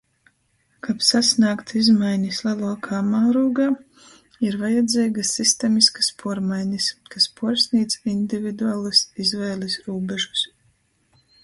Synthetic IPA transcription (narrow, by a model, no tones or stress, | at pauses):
kapsasnaːkt̪izmajɲislˠɛlˠuɔkʰamaːɾuːɡaː | iɾvajɛd̪zʲɛːɡasːist̪ɛmiskḁspuɔɾmajɲʲiskaspuɔɾsʲnʲiːt̪sind̪ivid̪uaːlˠɨsizvɛːlˠisɾuːbɛʒu̥s